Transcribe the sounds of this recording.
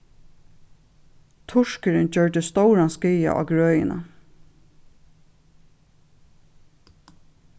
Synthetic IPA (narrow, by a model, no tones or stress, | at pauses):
t̪ʰʊʃkɪɾɪnd͡ʒœɹd̪ɪst̪ɔwɹaskiːja̰ʔɑ̰ːɡɹøːjɪ̰na̰